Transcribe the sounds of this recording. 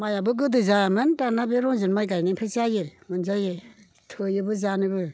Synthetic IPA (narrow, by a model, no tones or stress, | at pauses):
majabɯɡɯdɯzamɯntanabeɾɔŋzɯnmajɡajniŋpʰɯsajemɯnzaje | tʰɯjɯbɯzanɯbɯ